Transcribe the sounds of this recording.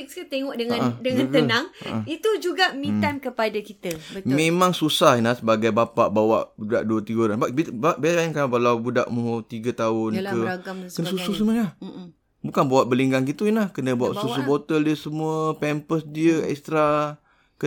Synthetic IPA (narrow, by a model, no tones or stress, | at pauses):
k̚skut̪eŋɔʔ̚dəŋãndəŋãnt̪ənãŋə̰ʔəit̪ud͡ʒuɡamĩamkəpadakit̪əmemãŋsusahinlahsəbaɡajbapaʔbawa̰ʔbudaʔduət̪iɡəoɾanbaʔbibaʔbaɾainkabalawbuda̰ʔmut̪iɡət̪aʊnkəaɡamkənəsusus̬əməlah | bukanbawaʔ̚bəliŋɡaŋkit̪uinlahkənəbuaʔsusubot̪əldiəsəmuəpɛmpəsdiəɛ̰kst̪ɾa | kə